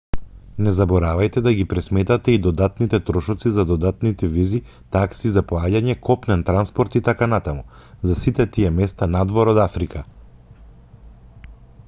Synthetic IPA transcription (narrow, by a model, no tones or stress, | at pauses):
nɛzabɔɾavajt̪ɛd̪aɡipɾɛsmɛt̪at̪ɛid̪ɔd̪at̪nit̪ɛt̪ɾɔʃɔt̪sizad̪ɔd̪at̪nit̪ɛvizi | t̪aksizapɔaɟaɲɛkʰɔpnɛnt̪ɾanspɔɾt̪it̪akanat̪amuzasit̪ɛt̪iɛmɛst̪anad̪vɔɾɔd̪afɾikʰa